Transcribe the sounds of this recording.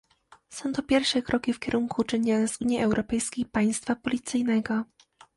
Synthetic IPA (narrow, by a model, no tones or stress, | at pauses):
sɔ̃w̃t̪ɔpʲjɛɾfʂɛkɾʔɔkʲifkʲɛɾʔuŋkʰut͡ʂɛɲʲanɛzuɲjiɛwɾʔɔpɛjskʲejpaj̃st̪fapɔlʲit̪sɘjnɛɡɔ